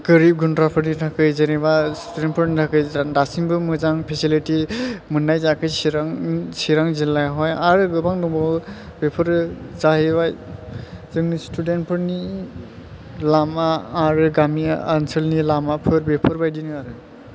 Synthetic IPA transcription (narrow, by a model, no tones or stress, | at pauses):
ɡ̥ɯɾip̚ɡuntɾapʰɯɾnitʰakɯjzenebastudent̚pʰɯɾnitʰakɯjdasiŋbɯmɯzaŋpʰesilitimɯnːajzakʰɯjsɾaŋsiɾaŋzilajɦɔjaɾɯɡɯbaŋnubɔ | bepʰɯɾzahibaj | zɯŋnistudentpʰɯɾni | lamaːɾɯɡamiaansɯlnilamapʰɯɾbepʰɯɾbajdinɯaɾɯ